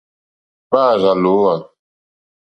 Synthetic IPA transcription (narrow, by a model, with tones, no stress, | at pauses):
baː˦˨za˨lo˨˦wa˨